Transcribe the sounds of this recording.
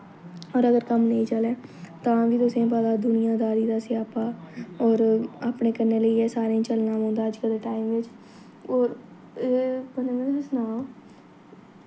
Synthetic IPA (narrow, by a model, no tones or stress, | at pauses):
ɔːɾəɡəɾkəmnəiːt͡ʃəlɛːt̪ãːʋiːt̪ʊsẽpaːd̪aːd̪ʊnɪjãːd̪aːɾiːd̪aːsɪjaːpaːɔːɾaːpɳeːkəɾneːləiːɛːsaːɾẽĩt͡ʃəlnaːɦõːnd̪aːəd͡ʒkəld̪eːʈaːimʋɪt͡ʃ | ɔːɾ | pənːmẽsnaː